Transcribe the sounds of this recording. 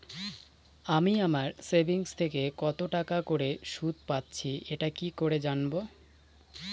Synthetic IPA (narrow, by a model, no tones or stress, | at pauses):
amiamaɾsebʱiŋst̪ʰekekɔt̪oʈakakoɾeʃud̪̚ʱpatːɕʰieʈakikoɾed͡ʑanbo